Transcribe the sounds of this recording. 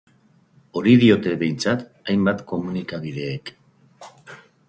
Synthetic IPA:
o̞ɾiðio̞t̪e̞βe̞jnt͡sat̪ajmbat̪ko̞munikaβið̞e̞ːk

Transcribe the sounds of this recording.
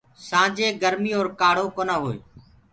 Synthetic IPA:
sãːd͡ʒeːɡəɾmiːoːɾkaːɽ̤oːkoːnaːɦoːḛː

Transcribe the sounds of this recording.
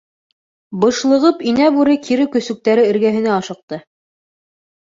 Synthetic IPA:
bɤ̆ʃlˠɤ̆ʁɤpinæbʉɾɘkʰiɾɘkɵ̆sɵ̆k̚t̪æɾɘɘ̆ɾɡæɦɘ̆næɑʃɤ̆q̚t̪ɤ

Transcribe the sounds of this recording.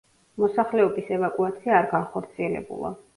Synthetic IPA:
mɔsaχlɛɔbisɛvakʼuat̪sʰiaːɾɡanχɔɾt̪sʰiɛlɛ̰bṵlˠa̰

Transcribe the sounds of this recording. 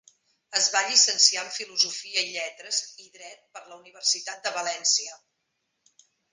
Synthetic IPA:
əzβaʎisənsiaɱfiluzufiəiʎɛt̪ɾəziðɾɛt̪̚pəɾləuniβ̞ərsit̪at̪̚d̪əβəlɛnsiə

